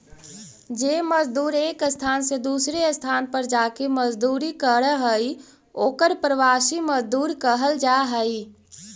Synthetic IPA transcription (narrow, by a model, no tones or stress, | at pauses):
d͡ʒeːməd͡ʒd̪uːɾeːkəst̪ʰaːnsed̪uːsɾeəst̪ʰaːnpəɾd͡ʒaːkeməd͡ʒd̪uːɾikəɾəɦəi | oːkəɾpɾəʋaːsiməd͡ʒd̪uːɾkəɦəld͡ʒaɦəi